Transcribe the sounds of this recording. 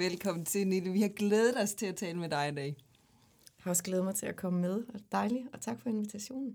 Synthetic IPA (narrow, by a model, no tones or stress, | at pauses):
ʋelkʰɒ̽m̰n̩t͡sʰe̝niləʋihɑ̈ɡ̥leːð̞ˠədˠɒ̽st͡sʰe̝læt͡sʰɛːləmed̥ɑ̈ɪdɛ̰ɪ | jhɑɒ̽sɡ̥leːð̞̩ˠmɑ̈ɪt͡sʰe̝lækʰɒ̽məmeð̞ˠɒd̥ɑ̈ɪliɒ̽t͡sʰɑ̈ɡ̥fɒ̽e̝nʋit͡sʰæɕo̝̰ːnn̩